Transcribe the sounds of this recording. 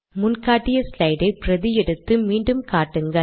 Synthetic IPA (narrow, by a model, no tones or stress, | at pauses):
mʊnkaːʈːɪjɐslɐɪɖɐɪpɪɾɐðɪjɛɽɯt̪ːɯmiːɳɖɯmkaːʈːɯŋɡɐ